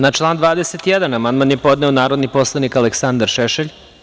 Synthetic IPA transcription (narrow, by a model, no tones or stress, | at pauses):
nat͡ʃlˠaːnd̪ʋaːd̪eset̪ijɛd̪anamand̪manjepo̞d̪nɛonaːɾod̪nipo̞slˠanikaleksand̪aɾʃeʃeʎ